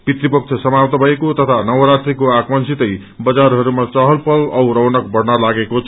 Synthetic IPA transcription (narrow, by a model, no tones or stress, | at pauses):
pit̪ɾipʌk̚t͡ʃʰʌsʌmapt̪ʌbʱʌekot̪ʌt̪ʰanʌwɾat̪rikoakmʌnsit̪ʌj | bʌd͡zaɾɦʌɾumat͡sʌɦʌlpʌlʌwɾʌwnʌk̚bʌɾnalaɡekot͡sʰ